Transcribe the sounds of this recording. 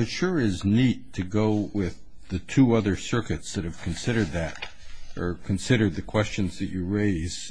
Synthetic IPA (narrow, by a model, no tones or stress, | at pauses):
ɨʃʊɹɪznid̚tʰɨɡoʊwɪð | ɨtʰuʌðə˞sɜ˞kɨtsðɨt̚hɨv̥kʰn̩sɪɾə˞d̪̚ðɨɾ | ʔə˞kʰɨ̃nsɪɾə˞d̪̚ðɨkʰw̥ɛst͡ʃɨ̃nzðɨt͡ʃɨɹeɪz̥